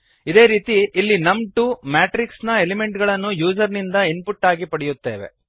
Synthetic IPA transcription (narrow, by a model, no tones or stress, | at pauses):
id̪e̞ːɾiːt̪iːlːinɐmʈuːmaːʈɾiksnɐelime̞ɳʈɡɐɭɐnːujuːsɐɾnind̪ɐinpuʈːaːɡipɐɽɛjut̪ːe̞̰ːʋḛ